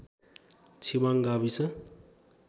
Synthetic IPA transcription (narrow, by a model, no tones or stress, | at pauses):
t͡sʰibaŋɡabisʌ